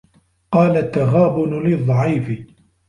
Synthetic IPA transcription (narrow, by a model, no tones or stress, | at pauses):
qɑːlat̪ːaɣaːbʊnlɪðˤːɑʕiːfɪ